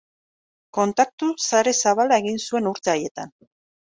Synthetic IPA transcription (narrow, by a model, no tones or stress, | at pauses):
ko̞nt̪ak̚t̪usaɾe̞saβalae̞ɣinsue̞nuɾt̪aje̞t̪an